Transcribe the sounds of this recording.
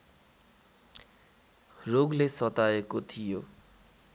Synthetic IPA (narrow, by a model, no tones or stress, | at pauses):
roɡlesʌt̪aekot̪ʰijo